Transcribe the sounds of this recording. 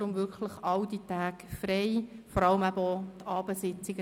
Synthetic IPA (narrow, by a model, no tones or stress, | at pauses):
ɾʊmʋʏɾkχləχɑld̥itæːkfɾeɪfɔɾɑləmæbəɔt̪ʰɑːb̥əsɪt͡sɪɡə